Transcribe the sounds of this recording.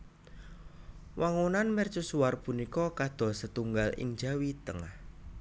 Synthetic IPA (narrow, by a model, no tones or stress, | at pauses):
wʔaŋunanmɛrt͡ʃusuarpunikɔkad̪̥ɔ̤sət̪uŋɡalɪ̰ŋ̥d͡ʒawit̪əŋah